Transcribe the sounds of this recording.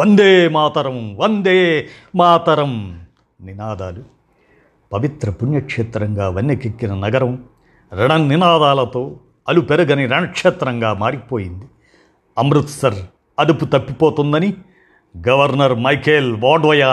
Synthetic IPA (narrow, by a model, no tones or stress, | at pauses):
ʋɐnd̪eːmaːt̪ɐɾɐmʋɐnd̪eː | maːt̪ɐɾɐm | ninaːd̪aːlu | pɐʋit̪ɾɐpunjɐkʂeːt̪ɾɐŋɡaːʋɐnːekekːinɐnɐɡɐɾɐm | ɾɐɳɐninaːd̪aːlɐt̪o̞ː | ɐlupeɾuɡɐniɾɐɳɐkʂeːt̪ɾɐŋɡaːmaːɾipoːjind̪i | ɐmɾut̪sɐɾ | ɐd̪uput̪ɐpːipoːt̪und̪ɐni | ɡɐʋɐɾnɐɾmɐjkʰeːlʋaːɖʋɐjaː